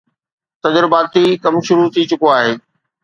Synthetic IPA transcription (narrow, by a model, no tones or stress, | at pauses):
t̪ɐd͡ʑɾʊbaːt̪ʰːikɐmʃʊɾut̪ʰit͡ɕʊkoaːɦeː